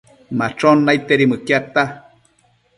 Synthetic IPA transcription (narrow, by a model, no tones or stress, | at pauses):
mat͡ʃonːajt̪eɾimɨkjat̪a